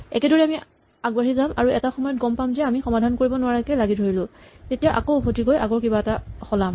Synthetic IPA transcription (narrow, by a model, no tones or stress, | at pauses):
ɛ̰kɛdɔɹɛami | aɡbaɹizamʔa̰ɹuɛtaxɔmɔjɔt̚ɡɔmpamzɛamixɔmadʱankoɹibɔnʊwaɹakɛlaɡidʱoɹilʊ̃tetijaʔa̰koʊbʱotikojʔaɡɔɹkibaɛtaxɔlam